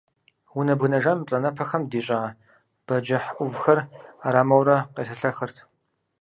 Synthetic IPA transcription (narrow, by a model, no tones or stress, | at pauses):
wʊnɐbɣɨnɐʒɐmt͡ɬʼɐnɐpʰɐxɐmdiːɕʼaː | b̥ɐd͡ʒɐħʔʷʊvxɐraɾaːmɐwrɐqḛːɬɐɬɐxɨrtʰ